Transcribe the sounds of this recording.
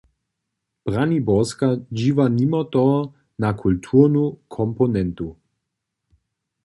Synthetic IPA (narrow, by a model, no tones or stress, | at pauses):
b̥ʁanibɔskad͡ʑiːvanimɔt̪ɔ | nakʰult̪ʰuʁnukʰɔmpɔnɛnt̪u